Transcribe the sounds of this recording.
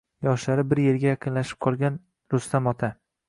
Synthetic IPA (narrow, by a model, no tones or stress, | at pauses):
jɒʃlaɾɪbɪɾje̞ɾɡʲajɑqʰɨnlaʃɪ̥p̚qʰɒlˠɡʲan | ɾʊst̪amɒt̪ʰa